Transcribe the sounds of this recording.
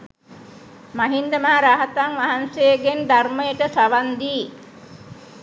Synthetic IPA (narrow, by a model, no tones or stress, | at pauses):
maɦind̪əmaːɾaːɦat̪aŋʋaɦansejəɡend̪arməjəʈəsaʋand̪iː